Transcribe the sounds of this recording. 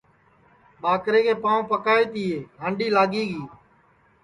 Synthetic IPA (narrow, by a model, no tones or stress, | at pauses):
ɓaːkɾeːkʰeːpãːõpəkaːeːt̪iːeːɦə̃ːɳɖiːlaːɠiːɡiː